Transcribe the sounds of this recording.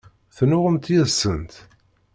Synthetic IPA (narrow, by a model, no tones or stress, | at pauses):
θnʊʁəmt̪jəðsənt̪